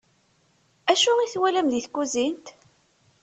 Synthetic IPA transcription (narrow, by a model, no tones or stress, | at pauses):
æʃʊʁiθwælæmðiθkːuzint̪